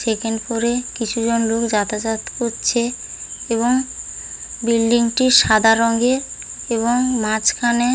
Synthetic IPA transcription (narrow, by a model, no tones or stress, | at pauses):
sekenpoɾekit͡ɕʰud͡ʑonlokd͡ʑat̪ad͡ʑat̪koɾt͡ɕʰe | eβoŋ | bilɖiŋʈiʃad̪ʱaɾɔŋɡe | eβoŋmãt͡ɕkʰane